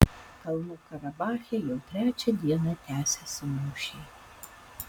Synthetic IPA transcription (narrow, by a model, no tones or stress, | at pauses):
kɐlˠnukɐɾɐbɑːxʲɪjɔwt̪ɾʲæt͡ʃʲɐd̪ʲiɛnɐt̪ʲæːsʲɛsʲɐmuʃʲi